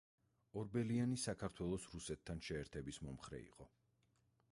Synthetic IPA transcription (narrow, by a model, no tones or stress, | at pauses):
ɔɾbɛlianisakʰaɾt̪ʰwɛlˠɔsɾusɛt̪ʰːanʃɛːɾt̪ʰɛbismɔmχɾɛ̰ḭqʼɔ